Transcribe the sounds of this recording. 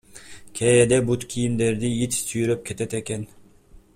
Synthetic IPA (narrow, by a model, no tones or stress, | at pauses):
kʲʰeed̪ebut̪kʲʰijind̪eɾd̪iit̪syjyɾøp̚kʰʲet̪et̪ekʲen